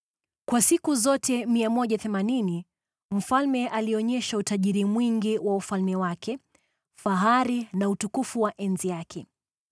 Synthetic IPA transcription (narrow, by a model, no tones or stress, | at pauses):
kwasikuzɔtɛmiamɔʄaθɛmanini | m̩falmɛʔaliɔɲɛʃautaʄiɾimwiŋɡiwaufalmɛwakɛ | faɦaɾinautukufuwaʔɛnzijakʰɛ